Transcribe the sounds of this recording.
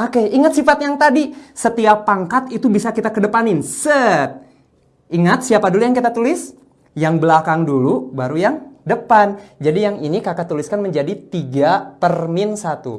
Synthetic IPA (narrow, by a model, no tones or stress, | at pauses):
okeiŋat̪sifat̪jaŋt̪adisət̪iapaŋkat̪it̪ubisakit̪akədəpanɪnsət̪̚ | iŋat̪̚siapadulujaŋkit̪at̪ulɪs | jaŋbəlakaŋdulubaɾujaŋdəpand͡ʒadijaŋinikakat̪uliskanməɲd͡ʒadit̪iɡapərmɪnsat̪ṵ